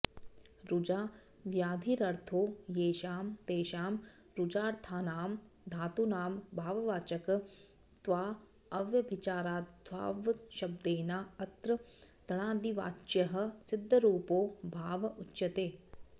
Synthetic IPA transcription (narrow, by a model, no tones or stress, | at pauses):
ɾud͡ʒaː | ʋjaːd̪ʱiɾɐɾt̪ʰoːjeːʃaːmt̪eːʃaːm | ɾʊd͡ʒaːɾt̪ʰaːnaːm | d̪ʱaːt̪unaːmbʱaːʋɐʋaːt͡ʃɐk | t̪ʋaː | ɐʋjɐbʱit͡ʃaːɾaːd̪ʋa̰ːʋʃɐb̚d̪eːnaːɐt̪ɾɐt̪ɐɽ̃aːd̪iʋa̰ːt͡ʃjɐɦɐ̆sɪd̪ʱːɐɾuːpoːbʱaːʋɐʔʊtːʃɐt̪eː